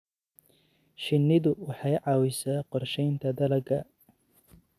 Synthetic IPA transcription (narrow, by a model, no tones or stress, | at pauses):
ʃɪnːɪðʊwɑħɑjʕɑːwɪsaːqɔrʃɛjnt̪ʰɐd̪ɐlɐɡɐ